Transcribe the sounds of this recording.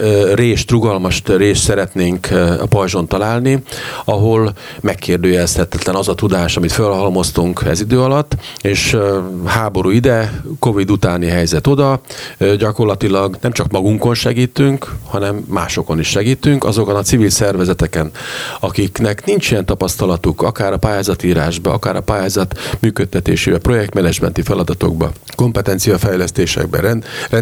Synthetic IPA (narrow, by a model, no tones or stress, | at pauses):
reːʃt̪ruɡɒlmɒʃt̪reːʃt̪sɛɾɛt̪neːŋkpɒjʒo̞nt̪ɒlaːlniɒɦo̞l | mɛkːeːrd̪øːjɛshɛt̪ɛt̪lɛnɒzɒt̪ud̪aːʃɒmit̪følhɒlmo̞st̪uŋkɛ̰zid̪øːɒlɒt̪ːeːʃhaːbo̞ɾuːid̪ɛko̞vid̪ut̪aːniɦɛjzɛt̪o̞d̪ɒɟɒko̞rlɒt̪ilɒɡnɛmt͡ʃɒkmɒɡuŋko̞nʃɛɡiːt̪yŋkhɒnɛmːaːʃo̞ko̞niʃːɛɡiːt̪yŋkɒ̰zo̞konɒtsivilsɛrvɛzɛt̪ɛkɛnɒkiknɛknint͡ʃijɛnt̪ɒpɒst̪ɒlɒt̪ukɒ̰kaːɾɒpaːjaːzɒt̪iːɾaːʒbɒɒ̰kaːɾɒpaːjaːzɒt̪myːkøt̪ːɛt̪ḛːʃeːbɛpro̞jɛk̚t̪mɛnɛd͡ʒmɛ̰nt̪ifɛlɒd̪ɒt̪o̞̰ɡ̚bɒ̰ | ko̞mpɛt̪ɛnt̪sijɒfɛjlɛst̪eːʃɛ̰ɡ̚bɛ̰ɾɛnrɛ